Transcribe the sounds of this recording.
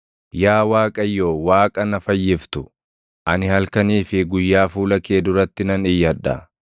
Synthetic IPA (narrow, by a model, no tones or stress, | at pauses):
jaːwaːkʼɐjːo̞ːwaːkʼɐnɐfɐjːɪft̪ʊ | ʔɐnɪhɐlkɐniːfɪɡʊjːaːfuːlɐkeːd̪ʊɾɐt̪ːɪnɐnɪjːɐᶑɐ̰